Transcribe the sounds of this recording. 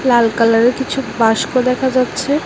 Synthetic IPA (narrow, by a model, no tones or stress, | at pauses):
lalkalaɾekit͡ɕʰubaʃkod̪ɛkʰad͡ʑatːɕʰe